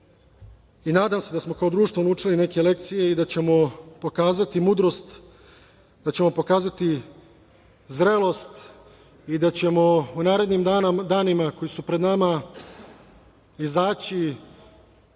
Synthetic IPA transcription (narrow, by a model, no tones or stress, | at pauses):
inaːd̪amse̞d̪asmo̞kaod̪ɾuːʃt̪voluːt͡ʂiline̞ke̞le̞kt̪sije̞id̪at͡ɕe̞mo̞po̞kaːzat̪imud̪ɾo̞st̪ | d̪at͡ɕe̞mo̞po̞kaːzat̪i | zɾelo̞st̪ | id̪at͡ɕe̞mo̞unaːɾe̞d̪ɲimad̪aːnimako̞jisupɾed̪nama | izaːt͡ɕi